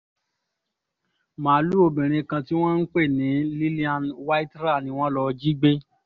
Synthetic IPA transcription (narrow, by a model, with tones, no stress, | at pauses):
mãː˨˦lu˦o˧bĩ˨ɾ̃ĩ˧kã˧ti˦w̃ɔ̃˦n̩˦k͡pe˦˨nĩ˨˦li˦li˦a˦nwa˦i˦tɾa˦˨nĩ˧w̃ɔ̃˦lɔ˧d͡ʒi˦ɡ͡be˦